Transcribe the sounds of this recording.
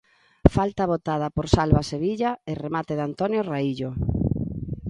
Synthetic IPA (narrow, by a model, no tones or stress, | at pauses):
falt̪aβ̞ot̪að̞ɐpoɾsalβaseβiʎaeremat̪eðant̪ɔnjoraiʎo